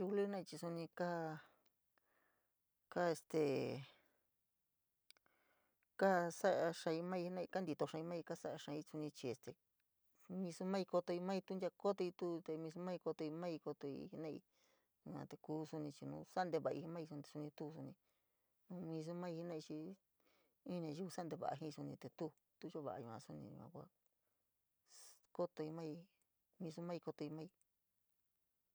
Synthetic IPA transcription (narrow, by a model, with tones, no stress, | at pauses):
u˧ku˧lu˦hi˦nã˦i˧t͡ʃi˧su˧nĩ˧ka˦ | ka˦e˧st̪e˨ | ka˦sa˦ʔa˧ʂã˧i˧mã˦˧i˧hi˦nã˧i˧ka˦nd̪i˧t̪o˧ʂã˧i˧mã˦˧i˧ka˦sa˦ʔa˧ʂã˧i˧˦t͡su˧nĩ˧t͡ʃi˧e˨st̪e˨ | mĩ˧su˧mã˦i˧ko˧t̪o˧i˧mã˦i˧t̪u˦˧nd̪ʲa˧ko˦t̪o˧i˧t̪u˦˧t̪e˧mĩ˧s̬u˧mã˦i˧ko˧t̪o˧i˧mã˦i˧ko˧t̪o˧ḭ˧hi˧nã˦˧ḭ˧ | u˧ã̰˧t̪e˧kuː˦su˧nĩ˧t͡ʃi˧nũː˧˦sa˦nd̪e˧βa˧˨˧i˧i˧mã˦i˧su˧n˧e˧su˧nĩ˧t̪u˦˧s̬u˧nĩ˧ | nũ˧mĩː˧s̬u˧mã˦i˧hi˧nã˦˧i˧t͡ʃi˧ | ĩ˦ɲ˧ã˧ʒu˧u˧sa˦nd̪e˧βa̰˨ʔa̰˧ɦĩ˦˧su˧nĩ˧t̪e˧t̪u˦ | t̪u˦ʒo˦βa̰˨˧ũ˧ã̰˧su˦nḭ̃˧ɲṵ̃˧ã̰˧kʷa̰˧ | ko˦t̪o˧i˧mã˦i˧ | mĩ˧s̬u˧mã˦i˧ko˧t̪o˧i˧mã˦i˧